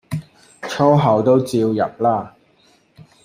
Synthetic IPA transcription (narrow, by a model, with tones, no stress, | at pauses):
t͡ʃʰɔː˥ɦɐ˨˩wt̪o˥wt͡siː˧wjɐ˨p̚laː˥˩